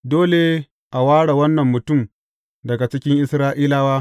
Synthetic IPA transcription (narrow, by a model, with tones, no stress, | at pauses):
doː˦le˨ | ʔa˨waː˦ɽa˨wɐ˦nːɐ˨mːʊ˨tʊ˦˨m | dɐ˨ɡa˨t͡ʃɪ˦kʲɪ˦ŋʔɪ˦sɾaː˦ʔiː˦laː˦waː˦